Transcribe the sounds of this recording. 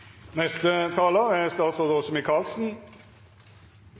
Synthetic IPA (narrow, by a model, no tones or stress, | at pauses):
nɛst̪ət̪ʰɑːləæst̪ɑːt̪sʁoːd̪əɔsɔmɪkʰɑːlsn̩